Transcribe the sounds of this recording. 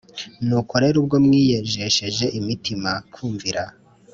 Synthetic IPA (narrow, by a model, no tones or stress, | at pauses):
nuːkoɾe̞ɾub̚ɡo̞mŋiːjeʒe̞ʃe̞ʒe̞ʔimitimakʰuːɱviɾa